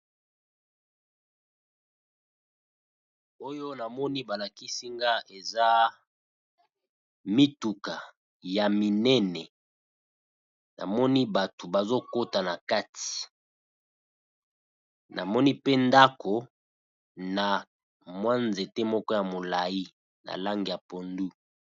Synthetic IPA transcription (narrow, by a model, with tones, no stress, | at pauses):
o˦jo˦na˨mɔ˦ni˦ba˨la˨ki˦si˦ŋɡa˦e˨za˦ | mi˦tu˨ka˨ | ja˨mi˨nɛ˦nɛ˨ | na̰˨mɔ˦ni˦ba˨to˨ba˨zo˦ko˦ta˨na˨ka˦ti̥˨ | nʔa˨mɔ˦ni˦pe˦nda˦ko˨ | na˨ | mwa˦nze˨te˦mɔ˦kɔ˦ja˨mo˨la˨ji˦ | na̰˨la˦ŋɡi˨ja˨po˨ndu˦